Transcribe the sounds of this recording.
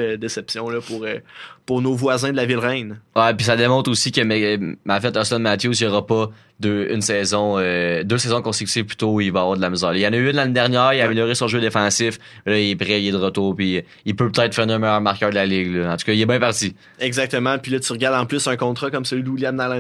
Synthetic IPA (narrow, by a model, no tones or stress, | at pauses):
d̪esɛpsjɔ̃lɔpuʁəpʊʁnovwazɛ̃d̪əlavɪlʁɛ̃nwɛpis̬ad̪emɔ̃t̪χosikəmɛmafɛt̪ɑ̃sɛd̪mat̪jos̬ijɔʁɐpɔ | d̪øy̰nsɛːzɔ̃ød̪øːsɛzɔ̃kɔ̃sekʲy̥t̪iv̥ply̥t̪oivavwɑːʁd̪əlaməzɑːʁlilɑ̃nəyʏnlaned̪ɛʁnjæːʁilameljøʁesɔ̃ʒød̪efɑ̃sɪf | mɛlʌilɛpʁɛilɛd̪əʁət̪uːʁpi | ilpøpə̥t̪ɛɪt̪χfæːʁnəmɛjœʁmaʁkœːʁd̪əlalɪɡlɔɑ̃t̪u̥kɑilɛbɛ̃paʁt̪si | ɛɡzak̚t̪əmãpilʌt̪yʁəɡaʁd̪ɑ̃plʏsɛ̃kɔ̃t̪χɑkɔmsəlɥid̪wiljamd̪alɛ̃